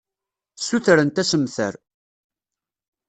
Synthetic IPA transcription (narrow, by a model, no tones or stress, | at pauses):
suθɾənt̪æsəmθə̰ɾ